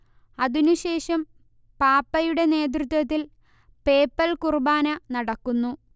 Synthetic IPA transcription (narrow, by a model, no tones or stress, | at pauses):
ɐðinuɕe̞ːʂɐm | paːpːɐjuɽe̞ne̞ːd̪̬rut̪̬wɐt̪ːil | pe̞ːpːɐlkurubaːnɐnɐɽɐkːunːu